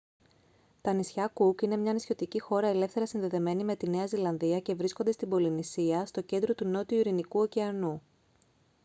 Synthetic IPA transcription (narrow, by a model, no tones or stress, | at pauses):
t̪ɐnisçɐkukine̞mɲɐnisço̞t̪icixo̞ɾɐe̞le̞fθe̞ɾɐsinðe̞ðe̞me̞nime̞t̪ine̞ɐzilɐnðiɐce̞vɾisko̞nd̪e̞st̪ibo̞linisiɐst̪o̞ce̞nd̪ɾo̞t̪uno̞t̪iuiɾinikuo̞ceɐnu